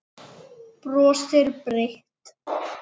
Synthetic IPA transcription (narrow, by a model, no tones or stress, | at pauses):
prɔːst̪ɪɾpɾɪht̪